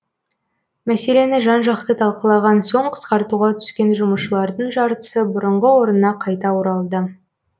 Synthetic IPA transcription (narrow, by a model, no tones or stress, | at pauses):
mæse̞le̞nɪʒɑnʒɑqt̪ət̪ʰɑlˠqəlˠɑʁɑnso̞ɴqʰə̥sqɑɾt̪uʁɑt̪ʰʏ̥skʲe̞nʒʊməʃəlˠɑɾd̪əɴʒɑɾt̪ə̥səbʊɾəɴʁəwo̞ɾənːɑqʰɑjt̪ɑʊɾɑlˠd̪ə